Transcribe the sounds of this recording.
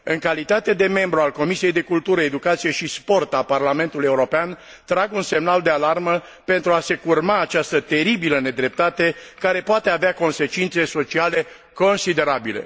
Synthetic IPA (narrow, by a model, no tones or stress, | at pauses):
ɨŋkalit̪at̪e̞d̪e̞me̞mbɾualko̞misije̞jd̪e̞kult̪uɾəed̪ukat̪sije̞ʃispo̞rt̪aparlame̞nt̪ulujeuɾo̞pean | t̪ɾaɡunse̞mnald̪e̞alarmə | pe̞nt̪ɾuase̞kurmaːt͡ʃast̪ət̪e̞ɾibiləne̞d̪ɾe̞p̚t̪at̪e̞kaɾe̞poat̪e̞aveako̞nse̞t͡ʃint̪se̞so̞t͡ʃiale̞ | ko̞nsid̪e̞ɾabile̞̰